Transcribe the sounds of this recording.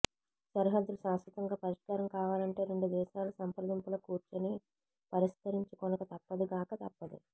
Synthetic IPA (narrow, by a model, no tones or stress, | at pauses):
sɐɾɦɐd̪ːulusaːsʋɐt̪ɐŋɡaːpɐɾiʂkaːɾɐmkaːʋaːlɐɳʈe̞ːɾe̞ɳɖud̪ɛːʃaːlɐsɐmpɾɐd̪ɐmpulɐkuːɾt͡ʃɐni | pɐɾisk̪ɐɾiɲt͡ʃikɔnɐkɐt̪ɐpːɐd̪iɡaːkɐt̪ɐpːɐd̪ḭ